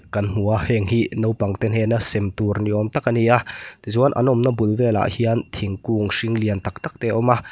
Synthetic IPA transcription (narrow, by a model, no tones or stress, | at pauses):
kɐnm̥uahɛŋhinowpaŋt̪ɛnɦɛnasɛmt̪urniʔɔmt̪akaniat̪izuanʔa̰nɔmnabulvɛla̰ʔhiənt̪ʰiŋkuŋsiŋliənt̪ak̚t̪ak̚t̪ɛʔɔma